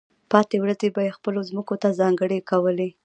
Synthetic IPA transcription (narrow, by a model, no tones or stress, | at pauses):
pɑt̪ewɾazebajexpəlozməkot̪azɑŋɡəɽekawəle